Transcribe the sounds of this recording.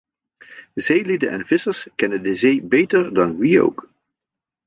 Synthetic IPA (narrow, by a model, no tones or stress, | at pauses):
zejlidənʔɛ̰nv̥ɪsəɹskɛnəndəzejbejtəɹdɑnwio̰wk